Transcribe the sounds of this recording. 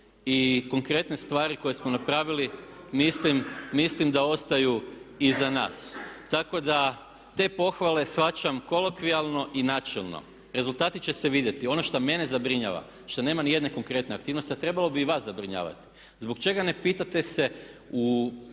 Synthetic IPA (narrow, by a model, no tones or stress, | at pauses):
iko̞ŋkɾe̞t̪ne̞st̪ʋaːɾiko̞jesmonapɾaːʋiliː | islimːislimd̪ao̞st̪ajuizana̰ːst̪ako̞d̪a | t̪e̞po̞xʋale̞sʋat͡ʃamko̞lo̞kʋialˠno̞ʔinat͡ʃelˠno̰ | ɾe̞zulˠt̪aːt̪it͡ɕe̞seʋid̪je̞t̪io̞no̞ʃt̪ame̞ne̞zabɾiɲa̰ʋa̰ | ʃt̪one̞ːmanije̞d̪ne̞ko̞ŋkɾe̞t̪ne̞ak̚t̪iːʋno̞st̪iat̪ɾe̞balo̞biʋaszabɾiɲa̰ːʋa̰t̪i̥ | zbo̞kt͡ʃe̞ɡane̞piːt̪at̪e̞se̞u